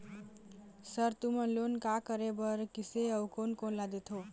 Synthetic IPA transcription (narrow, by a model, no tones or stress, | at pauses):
səɾt̪umənlonkakəɾebəɾkiseʌwkonkonlad̪et̪ʰo